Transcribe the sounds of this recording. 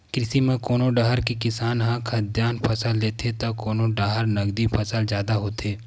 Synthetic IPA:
kɾɪsimẽkoːnoɖaːɦəɾkikɪsaːnɦɐ̃kʰɐd̪jaːnpʰɐsəlːeːt̪ʰet̪akoːnoɖaːɦəɾnɐɡd̪ipʰɐsəld͡ʒjaːd̪aɦoːt̪eː

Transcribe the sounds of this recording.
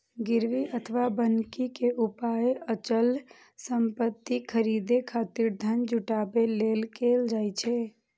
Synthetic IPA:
ɡɪɾʋiʔət̪ʰəʋabənkikeʔupaeʔət͡ʃəl | səmpət̪ːikʰəɾid̪ekʰaːt̪iɾd̪ʱənd͡ʒʱuʈabelelkeld͡ʒaːjt͡ʃʰɛ

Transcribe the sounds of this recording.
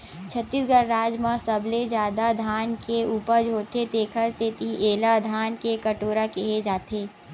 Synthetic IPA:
t͡ʃʰət̪ːisɡəɾːaːd͡ʒmãsəbled͡ʒjaːd̪ad̪ʱaːnkeuːpəɾd͡ʒʱɦoːt̪et̪eːkʰəɾt͡ʃet̪iʔeːlad̪ʱaːnkekəʈoːɾakeɦed͡ʒaːt̪ʰeː

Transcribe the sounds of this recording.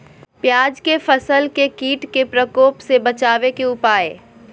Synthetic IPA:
pjaːd͡ʒkefɐsəlkekiːʈkepɾəkoːpsebɐt͡ʃaːʋekeʊpaːḛː

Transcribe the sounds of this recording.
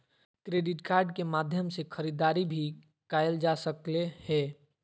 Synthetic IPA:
kɾeɖiʈkaːɾɖkemad̪ʱjəmsekʰəɾid̪aɾibʱi | kajeld͡ʒasəklehɛ

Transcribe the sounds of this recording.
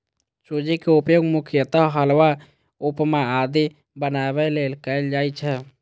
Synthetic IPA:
t͡ʃod͡ʒikeupjoːɡmʊkʰɪjət̪aɦəlʋa | upmead̪i | bənabɛleːlkəɪld͡ʒaːit͡ʃʰɛ

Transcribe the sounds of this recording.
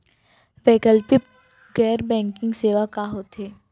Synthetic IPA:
ʋɛːkəlpi | ɡɛːɾbɛ̃ːŋkɪ̃ŋɡseːʋakaɦoːt̪eː

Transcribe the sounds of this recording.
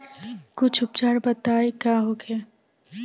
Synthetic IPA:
kʊt͡ʃʰʊp̚t͡ʃaːɽbət̪aːekaːɦoːkʰeː

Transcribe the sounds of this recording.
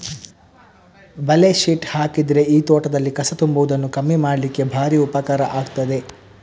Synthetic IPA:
bɐleʃiʈhaːkid̪ɾe̞iːt̪ɔːʈɐd̪ɐlːikɐsɐt̪umbuʋud̪ɐnːukɐmːimaːɽɐlikːe̞bʱaːɾiupɐkaːɾɐʔaːɡt̪ɐd̪e̞

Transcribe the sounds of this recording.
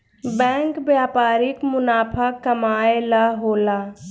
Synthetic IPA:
bɛ̃ːŋkbjaːpaːɾɪkmʊnaːpʰəːəmaːelaɦoːlaː

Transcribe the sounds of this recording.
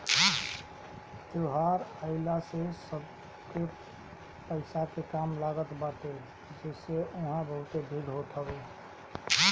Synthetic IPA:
t̪oɦaɾəɪlasesəb | ket | pəɪsakekamlaɡət̪baʈ̪e | d͡ʒeseoɦãbəɦʊt̪ebʱiɡɦoʈ̪ʰəbe

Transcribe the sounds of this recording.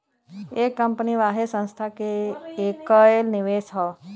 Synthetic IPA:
ekːəmpniʋaːɦesə̃nst̪ʰakeːkəlniʋeːsɦə

